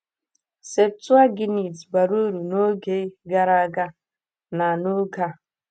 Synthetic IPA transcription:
se˨b̚tu˦a˦ɡi˦ni˨tba˨ɾu˦ɾu˨no˦ɡe˦ɡa˦ɾa˦ɡa˦ | na˨no˦ɡa˦˨

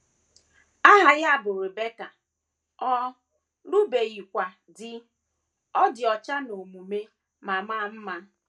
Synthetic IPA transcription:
a˦ɦa˨ɣa˦bʊ˨ɾe˨be˦ka˨ | ɔ˦ | nu˦be˨ɣi˨kʷa˨ | dɪ˦ | ɔ˦dɪ˨ɔ˨t͡ʃa˦no˨mu˨me˦ | ma˨ma˦m̩˦ma˦

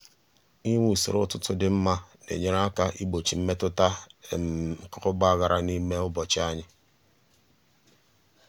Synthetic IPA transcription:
i˦ŋʷu˦˨sḭ˨ɾʊ˦tʊ˦tʊ˦dɪ˦m̩˦ma˦nḛ˨ɲe˦ɾa˦ka˦ʔi˦ɡ͡bo˨t͡ʃi˨m̩˦me˦tʊ˦ta˦˨ | kʊ˦ʊ˦ba˦˨ɣa˨ɾa˨ni˦me˦ʊ˦bɔ˨t͡ʃɪ˦a˦ɲɪ˦

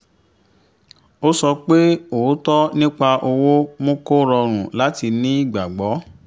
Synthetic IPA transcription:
o˦sɔ˧k͡pe˦o˨˦tɔ˦nĩ˦k͡pa˧ʔo˧wo˦mõ˦ko˦ɾɔ˧ɾ̃ũ˨la˨˦ti˧nĩ˦i˦˨ɡ͡ba˨ɡ͡bɔ˨˦

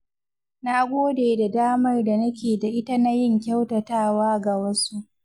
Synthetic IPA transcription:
na˦ɡʷoː˦deː˨da˨daː˦mɐ˦rda˨nɐ˦kʲeː˨da˨ʔɪ˦ta˦na˦jɪ˦ŋkʲa˦wtɐ˨taː˦˨waː˦ɡa˨wɐ˦su˦ʔ

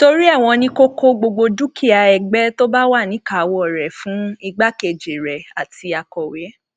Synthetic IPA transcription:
to˧ɾi˦ɛ˦˨w̃ɔ̃˧nĩ˧ko˦ko˦ɡ͡bo˧ɡ͡bo˧du˦kʰi˦˨a˧ɛ˨ɡ͡bɛ˦to˦ba˦wa˦˨nĩ˨˦ka˨˧wɔ˦˨ɾɛ˨fũ˨˦i˧ɡ͡ba˦ke˨d͡ʒe˨ɾɛ˨a˨ti˧a˧kɔ˨we˨˦

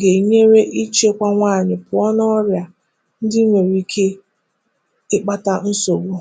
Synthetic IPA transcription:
ɡe˨ɲe˦ɾe˦ʔi˦t͡ʃe˦kʷa˦ŋʷaː˦˨ɲɪ˨pʊ˨ɔ˦nɔ˦ɾja˨ | n̩˦dɪ˦ŋʷe˨ɾi˨˦kʰe˦ | ɪ˦k͡pa˦ta˦n̩˦so˨ɡʷo˦

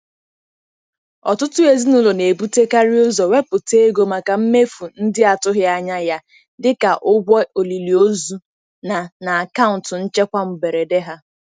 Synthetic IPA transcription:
ɔ̰˨tʊ˦tʊ˦e˨zi˦nʊ˦lo˨ne˨bu˦te˦ka˦ɾɪ˦ʊ˦zɔ˨we˦pʊ˨te˦ɡo˦ma˨ka˨m̩˦me˦fu˨n̩˦dɪ˦a˨tʊ˦ɦja˦ɲa˦ja˦ | dɪ˦ka˨ʔʊ˦ɡʷɔ˦o˨li˨li˨o˦zu˦ | na˨na˨a˨ka˦ʊ˨n˨tʊ˨n̩˦t͡ʃe˦kʷa˦m̩˨be˨ɾe˨de˦ɦa˦

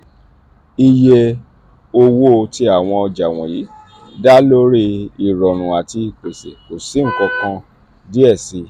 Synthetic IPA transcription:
i˧je˧ | o˧wo˦˧ti˧˦a˦˨w̃ɔ̃˧ɔ˧d͡ʒa˨w̃ɔ̰̃˨ji˨˦ | da˦lo˦ɾi˧i˨ɾɔ˨ñũ˨a˨ti˧i˨k͡pe˨sḛ˨ko˨si˨˦ŋ̩˦˨kɔ˧kã˧ | di˦ɛ˦˨si˧

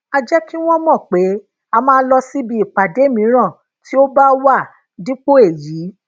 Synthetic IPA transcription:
a˧d͡ʒɛ˦ki˦w̃ɔ̃˦mɔ̃˦˨k͡pe˨˦ | a˧mãː˦n̩˦lɔ˧si˦bi˧i˨k͡pa˨de˨˦˨mĩ˨˦ɾ̃ã˦˨ | ti˦o˦ba˦wa˦˨ | dĩ˦k͡po˦e˦˨jiː˨˦

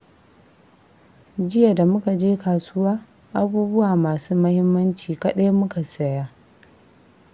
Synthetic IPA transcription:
d͡ʒɪ˦ja˨da˨mʊ˦ka˨d͡ʒeː˦kaː˨sʊ˦waː˦ | ʔa˦buː˦bʊ˦waː˨maː˨suː˦mɐ˦hɪ˦mːɐ˦nt͡ʃiː˨kɐ˦ɗa˦jmʊ˦ka˨sɐ˨jaː˦

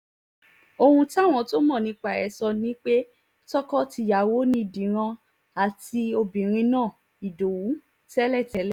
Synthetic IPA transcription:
o˧hũ˧ta˦˨w̃ɔ̃˧to˦mɔ̃˦˨nĩ˧k͡pa˨ɛ˨˦sɔ˧nĩ˦k͡pe˦ | tɔ˦kɔ˦ti˧˨ja˨wo˨˦nĩ˧i˧˨dĩ˨˦ɾ̃ã˧ | a˨ti˧o˧bĩ˨ɾ̃ĩ˧nãː˦˨ | i˨do˨wũ˨˦ | tɛ˦lɛ˦˨tɛ˨˦lɛ˦˨

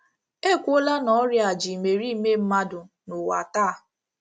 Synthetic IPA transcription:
e˦˨kʷo˦la˦nɔ˨˦ɾja˨d͡ʒi˨me˨ɾi˦me˦m̩˦ma˦dʊ˨ | nʊ˨wa̰˨taː˦˨

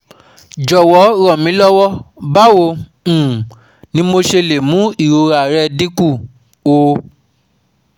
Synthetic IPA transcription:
d͡ʒɔ˨wɔ˨˦ɾɔ˨mĩ˨˦lɔ˦wɔ˦ba˦wõ˧˨ | nĩ˨˦mo˧ʃe˧le˨mũ˨˦i˦˨ɾo˧ɾa˨ɾɛ˧di˦ku˦˨ | o˨˧

